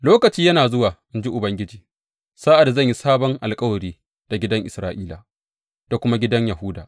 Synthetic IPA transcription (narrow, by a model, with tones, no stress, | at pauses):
loː˦kɐ˨t͡ʃiː˦jɐ˦naː˨zʊ˦waː˨ʔɪ˦nd͡ʒi˦ʔʊ˨bɐ˦ŋɡʲɪ˦d͡ʒiː˨ | saː˦ʔa˨da˨zɐ˦˨ɲji˦saː˦bɔ˦ŋʔa˨lkʼɐ˦wɐ˨ɽiː˦ | d̥a˨ɡʲɪ˦dɐ˦ŋʔɪ̰˨sɾaː˦ʔiː˦la̰˨ | d̥a˨kʷʊ˦ma˦ɡʲɪ˦dɐ˦ɲjɐ˨ɦʊ˦da̰ː˨ʔ